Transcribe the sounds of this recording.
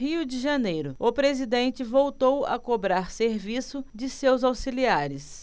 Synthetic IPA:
ɦiʊd͡ʒɪʒɐnejɾʊʊpɾezid̪ẽnt͡ʃɪvowt̪owɐ̰kobɾaɾseɾvisʊd͡ʒɪsewzawsiliaɾɪs

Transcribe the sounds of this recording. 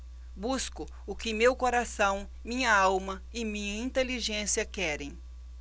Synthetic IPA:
buskʊ | ʊkɪmewkoɾasɐ̃w̃ | mĩɲɐawmɐ | ɪmĩɲɐĩnt̪eliʒẽsiɐkɛɾẽj̃

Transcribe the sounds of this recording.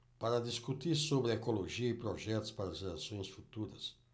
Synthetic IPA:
paɾɐd̪iskut̪iɾsobɾɪekoloʒiɐɪipɾoʒɛt̪ʊ̥spaɾɐzelasõj̃sfut̪uɾɐ̰s

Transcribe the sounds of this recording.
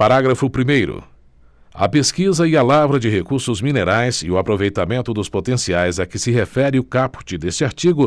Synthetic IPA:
paɾaɡɾɐfʊpɾimejɾʊ̰ | ɐ̰peskizɐialavɾɐd͡ʒɪɦekuɾsʊzmĩneɾajzɪʊapɾovejt̪amẽnt̪ʊd̪ʊspot̪ẽsiajzɐkɪsɪɦefɛɾɪʊkapʊ̥t͡ʃɪd̪est͡ʃɪaɾt͡ʃiɡʊ

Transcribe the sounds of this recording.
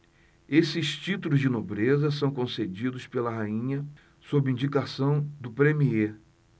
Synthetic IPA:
esɪst͡ʃit̪ulʊzd͡ʒɪnobɾezɐs̬ɐ̃w̃kõsed͡ʒid̪ʊspelɐɦaĩɲɐ | sobɪĩd͡ʒikasɐ̃w̃d̪ʊpɾẽmie

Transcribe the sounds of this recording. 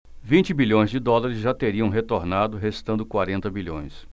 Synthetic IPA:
vĩnt͡ʃɪbiʎõj̃zd͡ʒɪd̪ɔlaɾɪzʒat̪eɾiɐ̃w̃ɦet̪oɾnad̪ʊɦest̪ɐ̃nd̪ʊkwaɾẽnt̪ɐbiʎõ̰j̃s

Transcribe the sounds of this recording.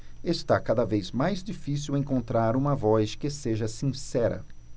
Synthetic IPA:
est̪akad̪ɐvejzmajzd͡ʒifisiwẽŋkõnt̪ɾaɾũmɐvɔjskɪseʒɐsĩsɛɾɐ̰

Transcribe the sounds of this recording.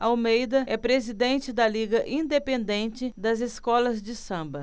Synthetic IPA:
ɐawmejd̪ɐɛpɾezid̪ẽnt͡ʃɪd̪ɐliɡɐʔĩd̪epẽnd̪ẽnt͡ʃɪd̪ɐzeskɔlɐzd͡ʒɪsɐ̃mbɐ

